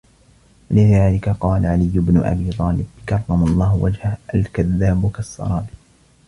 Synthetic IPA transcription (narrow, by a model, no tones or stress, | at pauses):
walɪðaːlɪkaqɑːlaʕalɪjːʊbnʊ̰ʔa̰biːt̪ˤɑːlɪbkɑrˤːɑmɑlˤːɑːhwa̰d͡ʒhahʔalkaðːaːbʊkasˤːɑ̰ɾˤɑːbi